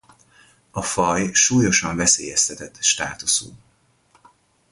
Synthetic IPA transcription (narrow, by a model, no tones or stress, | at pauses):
ɒfɒjʃuːjo̞ʃɒɱvɛsḛːjɛst̪ʰɛt̪ɛt̪ːʃt̪a̰ːt̪usṵː